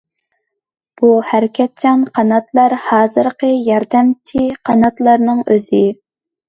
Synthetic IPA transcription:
b̥uhæɾɪkʲʰɛt̪̚t͡ʃʰɑnqʰɑnɑt̪lˠɑɾhɑːzɨɾqəjɑɾd̪ɛmt͡ʃʰiqʰɑnɑt̪lˠɑɾnɨŋøzɪ

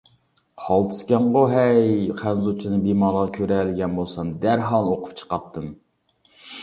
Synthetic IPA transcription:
qʰɑlˠt̪ʰɨ̥skʲɛɴʁoɦɛjqʰænzut͡ʃʰinɨbemɑːlˠəʁɑkʲʰøɾɛlɪɡʲɛnbolˠsɑmd̪æɾɦɑlˠnoqʰʊ̥p̚t͡ʃʰə̥qɑp̚t̪ʰːɨm

